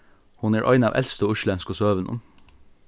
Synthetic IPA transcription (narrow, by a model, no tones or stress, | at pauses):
hʊnæːʔɑ̰ɪnɑːʋʔɛ̰lst̪əoːʉʃlɛnskosøːʋənɔ̰m